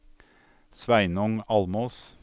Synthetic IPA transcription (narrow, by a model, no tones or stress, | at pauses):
sʋæɪnɔŋɑlmoːs